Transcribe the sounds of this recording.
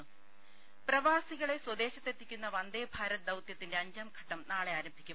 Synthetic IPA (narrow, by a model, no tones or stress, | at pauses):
ɨ | prɐʋaːsiɣɐɭe̞swɐd̪e̞ːɕɐt̪ːe̞t̪ːikʲːunːɐʋɐnd̪eːbʱaːɾɐt̪̚d̪ɐwt̪jɐt̪ːinde̞ɐɲd͡ʑɐmɡʱɐʈːɐmnaːɭe̞aːɾɐmbʱikʲːum